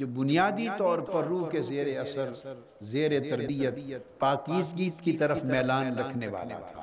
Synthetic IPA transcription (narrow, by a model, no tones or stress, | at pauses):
d͡ʒobʊnijaːd̪it̪ɔːɾpɐɾːuːɦkezeːɾeɐsəɾ | zeːɾet̪ɐɾbijət̪̚paːkiːzɡiːt̪kit̪ɐɾəfmɛːlaːnɾɐkʰneʋa̰ːla̰t̪ʰa̰ː